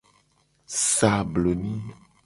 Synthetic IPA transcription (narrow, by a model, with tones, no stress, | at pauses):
sa˨blo˨nĩ˦